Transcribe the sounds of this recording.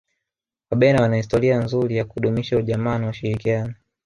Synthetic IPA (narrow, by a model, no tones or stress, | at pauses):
waɓɛnawanahistɔɾianzuɾijakuuɗumiʃauʄamaːnauʃiɾikianɔ